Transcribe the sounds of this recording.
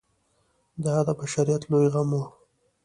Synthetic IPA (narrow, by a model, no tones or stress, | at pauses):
d̪ɑd̪əbaʃaɾijat̪lojɣamo